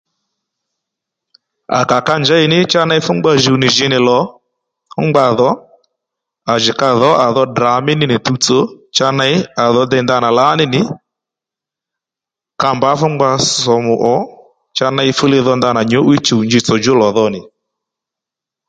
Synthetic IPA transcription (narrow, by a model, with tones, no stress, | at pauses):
a̰˨ka˨ka˧nd͡ʒa˦ɪ˨nɪ˦t͡ʃa˦na˦ɪ˦fʊ˦ŋ͡mɡ͡ba˧ʒu˨nɪ˨ʒɪ˨˦nɪ˨lɔ˨˦ | ʊ˦ŋ͡mɡ͡ba˧ðɔ˨˦ | a˨ʒɪ˨ka˧ðɔ˨˦ʔa˨ðɔ˧˦dra˨mɪ˦nɪ˦nɪ˨tu˧t͡so˦t͡ʃa˧na˧ɪ˦a˨ðɔ˧dɛ˧˨nd̪a˧na˨la˨˦nɪ˦nɪ˨˦ | ka˧mba˨˦fʊ˦ŋ͡mɡ͡ba˧sɔ˨mʊ˨ʔɔ˨˦ | t͡ʃa˧na˦ɪ˧fʊ˦le˧ðɔ˧nd̪a˧na˨ɲo˨˦ʔwi˦t͡ʃu˨nd͡ʒɪ˧˦t͡sɔ˨d͡ʒʊ˦lɔ˨ðɔ˧nɪ˨